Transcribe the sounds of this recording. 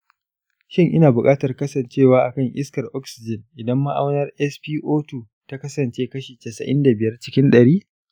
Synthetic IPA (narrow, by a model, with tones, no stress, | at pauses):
ʃɪ˦ŋʔɪ˦naː˨bʊ˨kʼaː˦tɐ˨rkɐ˦sɐ˨nt͡ʃeː˦˨waː˦ʔa˨kɐ˦˨ŋʔɪ̰˦skɐ˨rʔɔ˦ksɪ˨d͡ʒɪ˨nʔɪ˨dɐ˦mːa˦ʔa̰˦wnɐ˦rʔɛ˦spiː˦ʔoː˦tuː˨ | ta˦kɐ˦sɐ˨nt͡ʃeː˦kɐ˦ʃiː˨tɛ˨sɐ̰˨ʔɪ̰˦nda˨bɪ˨jɐ˦rt͡ʃɪ˦kʲɪ˦nɗɐ˨ɽiː˦